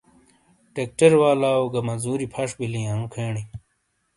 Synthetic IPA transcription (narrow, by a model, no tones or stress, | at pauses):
ʈek̚ʈɐɾwaːlaːoɡɐmɐzuːɾipʰɐʂbilijãnũkʰeːɳi